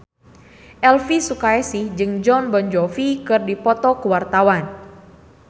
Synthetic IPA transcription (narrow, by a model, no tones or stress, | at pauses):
ʔɛlfisukaɛsihd͡ʒɨŋd͡ʒɔnbɔnd͡ʒɔfikɨrdipɔt̪ɔkəwart̪awan